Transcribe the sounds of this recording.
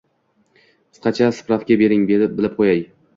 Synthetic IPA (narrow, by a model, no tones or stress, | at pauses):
qʰɨ̥sqɑt͡ʃʰasɨ̥pɾafkʲabe̞ɾɪŋbe̞ɾɪp̚bɪlɪp̚qʰojaj